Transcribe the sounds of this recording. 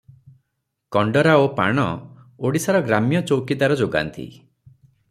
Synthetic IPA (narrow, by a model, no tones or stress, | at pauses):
kɔɳɖɔɾaopa̰ɽ̃ɔ̰ | oɽisaɾɔɡɾamijɔt͡ʃowkid̪aɾɔd͡ʒoɡa̰nt̪ḭ